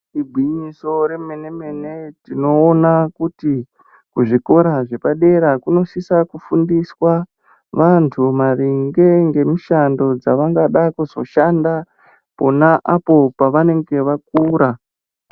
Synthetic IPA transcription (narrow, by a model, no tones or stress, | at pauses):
ibʱwiɲiso̞ɾemene̞me̞ne̞tino̞ːnakuti | kuʐiko̞ɾaʐe̞paɗe̞ɾakuno̞sisakufundiswa | ʋantʰumaɾiŋɡe̞ŋɡe̞miʃando̞d͡zaʋaŋɡaɗakuzo̞̰ʃanda | po̞naʔapo̞paʋane̞ŋɡe̞ʋak̚uːɾa